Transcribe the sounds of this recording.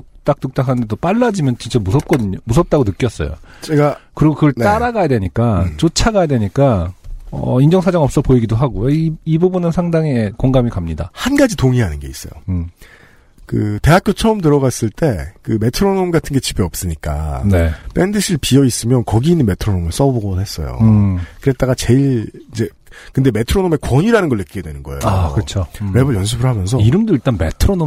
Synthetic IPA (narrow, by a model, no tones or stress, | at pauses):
t͈ak̚t͈uk̚t͈akʰanɯnd̪etop͈aɭːad͡ʑimjʌnt͡ɕint͡ɕ͈amusʰʌp̚k͈ʌdɯɲomusʰʌp̚t͈aɡonɯk͈jʌs͈ʌ̰jo̰t͡ɕeɡakɯɾiɡokɯɡʌɭt͈aɾaɡajadweɲik͈at͡ɕot͡ɕʰaɡajadwe̞ɲik͈aʌ̰ind͡ʑʌŋsʰad͡ʑaŋʌp̚s͈ʌpoiɡidoɦaɡoaiibubunɯnsʰaŋdaŋikoŋɡamikamɲida̰hanɡad͡ʑitoŋiɦanɯnɡe̞̰is͈ʌjo̰ | kɯte̞ɦakʰjot͡ɕʰʌɯmt̬ɯɾʌɡas͈ɯɭt͈e̞kɯme̞tʰɯɾonomɡatʰɯnɡe̞t͡ɕibeʌp̚s͈ɯɲik͈a̰nep͈e̞ndɯɕʰiɭpiʌis͈ɯmjʌnkʌɡiːnːɯnme̞tʰɯɾonomɯɭs͈ʌbboɡobunɦes͈ʌ̰jo̰kɯɾe̞t̚t͈aɡat͡ɕe̞iɭid͡ʑe̞ | kɯnde̞me̞tʰɯɾonome̞kwʌɲiɾanɯnɡʌɭːɯk͈iɡedwe̞nɯnɡʌḛaokɯt͡ɕʰoɾe̞bɯɭjʌns̬ʰɯbɯɭɦamjʌns̬ʰʌiɾɯmdoiɭt͈anme̞̰tʰɯɾono